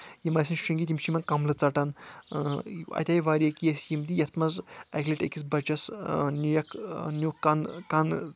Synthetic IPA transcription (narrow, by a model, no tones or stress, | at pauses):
jimɐsʲinʃuŋɡit̪imʃimɐnkɐmlɨt͡sɐʈɐn | ɐ̰t̪ʲaːjʋaːɾijɐkijɐsjimd̪ijɐt̪ʰmɐzɐkʲliʈḛkis̬bɐt͡ʃɐsnʲujɐknʲuɐnkɐn